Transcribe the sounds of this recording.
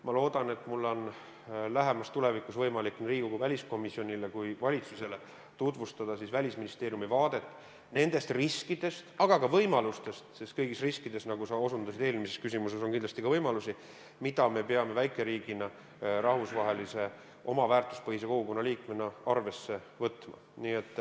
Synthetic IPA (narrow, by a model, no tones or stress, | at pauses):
mɑlo̞ːd̪̥ɑne̞t̪ːmulːo̞n | læɦe̞mɑst̪ule̞vikːˑusvɤjmɑlikːˑnriːɡi̥oɡuvælʲisko̞misio̞nʲilekujvɑlʲit̪suse̞le̞ | t̪ut̪vust̪ɑd̪ɑsisvælʲisminist̪e̞ːɾjumivɑːd̪̥e̞t̪ːˑ | ne̞nd̪̥e̞st̪riskid̪̥e̞st̪ɑɡ̥ɑkɑvɤjmɑlust̪e̞st̪sest̪kɤjɡist̪riskid̪̥e̞snɑɡusɑo̞sund̪̥ɑsid̪e̞ːlmise̞skysimuse̞so̞ŋkind̪lɑst̪ikɑvɤjmɑlusi | mid̪̥ɑme̞pe̞ɑme̞væjkːˑeɾiːɡ̥inɑ | rɑhvusvɑɦe̞lise̞ | ʔo̞mɑvæːrt̪ˑu̥spɤhiseko̞ɡ̥uko̞nːɑliːkmenːɑɑrve̞sːe̞ | vɤt̪mɑ̰niːe̞t̪ˑː